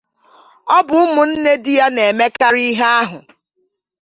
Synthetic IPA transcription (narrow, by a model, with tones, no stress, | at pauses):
ɔ˦bʊ˨ʊ˦mʊ˨n̩˦ne˦dɪ˦ja˦ne˨e˨me˦ka˦ɾi˦ɦe˦a˦ɦʊ˨